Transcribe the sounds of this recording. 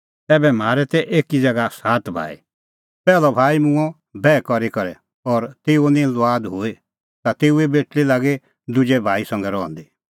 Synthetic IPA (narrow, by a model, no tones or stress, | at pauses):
ɛːbɛm̤aːɾɛt̪ɛʔeːkid͡ʒɐɡasaːt̪bʱa̰ːḭ | pɛːlɔbʱaːimʊ̃ɔ̃ | bɛːkɔɾikɔɾɛ | ɔːɾt̪eːonĩlʊaːd̪ɦoːe | t̪at̪eːuebeːʈlilaːɡe | d̪ʊd͡ʒɛbʱaːisɐ̃ŋɡɛɾɔ̰̃ːnd̪i